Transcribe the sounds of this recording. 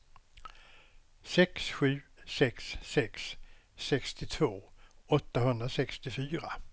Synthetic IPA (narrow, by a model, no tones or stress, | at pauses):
sɛksɧʉ̟ːsɛksːɛksːɛkst̪ɪt̪ʰvoːɔt̪ːaɦɵnd̪ɾasɛkst̪ɪfyːɾa